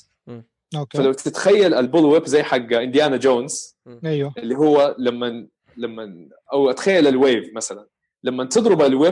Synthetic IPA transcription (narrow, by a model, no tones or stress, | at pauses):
ofalawt̪ɪt̪xajːalʔalbʊlwɪbzajːħaɡːaʔɪnd̪jaːnad͡ʒoːns | ajwaʔɪlːiɦʊwːalamːa | lamːa | ʔawʔat̪xajːalalweːvmasalan | lamːant̪ɨd̪ˤɾɪbalwɪ